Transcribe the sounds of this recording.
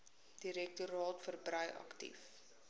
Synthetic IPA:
d̥iɾɛk̚tuɾɑːtfərbrəjʔɐ̰ktḭf

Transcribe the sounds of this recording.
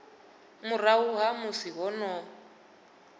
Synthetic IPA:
mʊrauɦamusiɦɔnɔ

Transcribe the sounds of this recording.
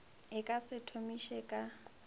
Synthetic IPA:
ɪkʼasɪtʰomiʃɛkʼa

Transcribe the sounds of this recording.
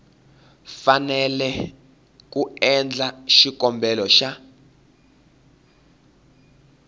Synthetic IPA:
fanɛlɛ | k̬uɛnd͡ɮaʃik̬ɔmbʱɛlɔʃa

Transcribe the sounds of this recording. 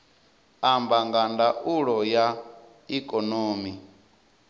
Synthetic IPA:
ambaŋɡandaʔuɺɔja | ikʼɔnoːmi

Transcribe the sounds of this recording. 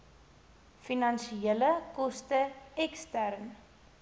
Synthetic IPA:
finɐnʃieləkɔstəɛkstærn

